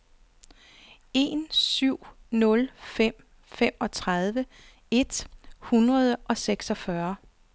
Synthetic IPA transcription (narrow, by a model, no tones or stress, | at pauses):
e̝nsyʊ̰nɔ̽lfem̰ | fem̰ɒ̽t͡sʰʁað̞ˠʋə | e̝d̥hunʁɐð̞ˠʔɒ̽seɡ̥sɒfɶɐ